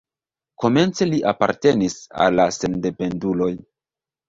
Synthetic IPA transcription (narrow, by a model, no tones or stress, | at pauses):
ko̞me̞nt͡se̞liʔapa̰ɾte̞nisa̰lːase̞nde̞pe̞ndulo̞j